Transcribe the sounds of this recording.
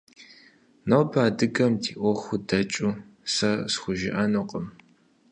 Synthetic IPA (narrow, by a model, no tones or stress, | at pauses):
nɐwbʰaːdɨɡʼɐmdʰiːʔʷɔxʷʊdɐt͡ʃʼusɐsxʷʊʒɪ̰ʔɐnuqʼəm